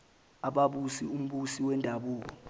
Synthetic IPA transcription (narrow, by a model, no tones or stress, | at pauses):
aɓaɓusium̩ɓusiwɛndʱaɓuːk̬ɔ